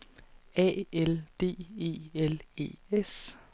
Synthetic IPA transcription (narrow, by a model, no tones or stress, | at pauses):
ɛ̰ːeld̥e̝̰ːe̝̰ːele̝̰ːes